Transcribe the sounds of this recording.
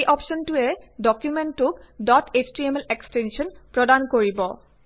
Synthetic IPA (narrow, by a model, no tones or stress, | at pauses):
jʔɔpsɔntuɛdɔkjumentːʊkdɔtʰet͡ɕdiemɛlekstɛnʃɔnpɹɔdankoɹibɔ